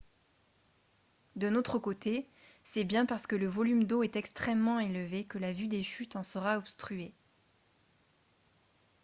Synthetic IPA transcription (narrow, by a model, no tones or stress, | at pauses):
d̪ə̃not̪χəkot̪ʰe | sɛbjɛ̃paʁsə̥kələvɔlymd̪oɛt̪ɛkst̪χɛmːɑ̃elvekəlavyd̪eʃyt̪ɑ̃səʁaɔpst̪χye